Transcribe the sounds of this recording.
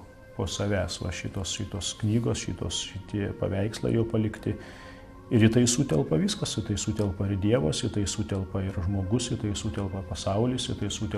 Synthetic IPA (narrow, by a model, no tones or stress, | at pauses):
poːsɐʋʲæːsʋɐ̰ʃʲɪt̪oːsʃʲɪt̪oːsknʲiːɡoːsʃʲɪt̪o̰ːsʃʲɪt̪ʲiɛpɐ̰ʋʲɛɪkslˠɐ̰ɪjɛʊpɐlʲɪkt̪ʲɪ | ɪɾjɪt̪ɐɪsuːt̪ʲɛlˠpɐʋʲiːskɐsjɪt̪ɐɪsuːt̪ʲɛlˠpɐɪɾd̪ʲiɛʋɐsjɪt̪ɐɪsuːt̪ʲɛlˠpɐɪɾʒmoːɡʊsjɪt̪ɐɪsuːt̪ʲɛlˠpɐpɐsɐʊlʲɪsɪt̪ɐɪsuːt̪ʲɛ